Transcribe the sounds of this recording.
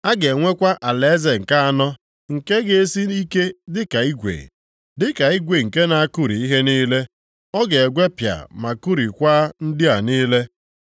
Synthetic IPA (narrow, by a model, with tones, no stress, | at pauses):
a˦ɡe˨ŋʷe˦kʷa˦ʔa˨le˨˦ze˨ŋ̩˨ka˦a˨nɔ˦ | ŋ̩˨ke˦ɡe˨e˦si˦i˦ke˦dɪ˦ka˨i˦ɡʷḛ˨ | dɪ˦ka˨i˦ɡʷe˨ŋ̩˨ke˦na˨a˦ku˦ɾi˨i˦ɦe˦niː˦le˦ | ɔ˦ɡe˨e˨ɡʷe˦pja̰˨ma˨ku˦ɾi˨kʷaː˦n̩˦dɪ˦a˨niː˦le˦